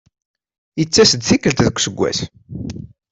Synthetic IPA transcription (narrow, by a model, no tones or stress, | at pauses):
jət͡sːæsəd̪θikəlt̪ðəkʷːsəɡʷːæ̰s